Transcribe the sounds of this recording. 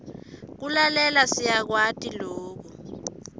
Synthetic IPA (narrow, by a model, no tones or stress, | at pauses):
k̬ulalɛlasijak̬watʼiloːk̬u